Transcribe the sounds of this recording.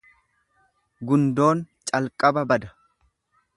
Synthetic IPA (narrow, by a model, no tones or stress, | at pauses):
ɡʊnd̪o̞ːnt͡ʃʼɐlkʼɐbɐbɐd̪ɐ